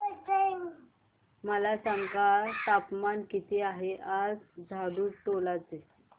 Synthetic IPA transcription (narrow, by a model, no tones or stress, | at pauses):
məlasəŋkat̪apmankit̪iːaɦeʔad͡zd͡zʱaɽuːʈolat͡se